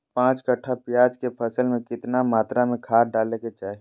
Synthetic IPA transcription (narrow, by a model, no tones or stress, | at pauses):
pãːt͡ʃkəʈʰapjaːd͡ʒkepʰəsəlmẽkɪt̪namaːt̪ɾamẽkʰaːɾɖaːleket͡ʃaːɦe